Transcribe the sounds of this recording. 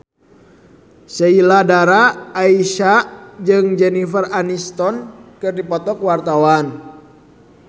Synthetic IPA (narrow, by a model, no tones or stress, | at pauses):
səiladaɾaːiʃad͡ʒɨŋd͡ʒɛnifəranist̪ɔnkɨrdipɔt̪ɔkwart̪awan